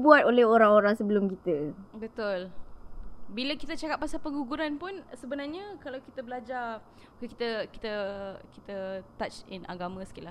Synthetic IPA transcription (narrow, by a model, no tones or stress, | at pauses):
buat̪olɛɦoɾaŋoɾaŋsəbəlʊmkit̪əbət̪ʊl | biləkit̪ət͡ʃakapːasalpəŋɡuɡuɾanpʊnsəbənarɲə̃kalawkit̪əbəlad͡ʒar | ki̥t̪əki̥t̪əkit̪ət̪at͡ʃinʔa̰ɡamə̃skilah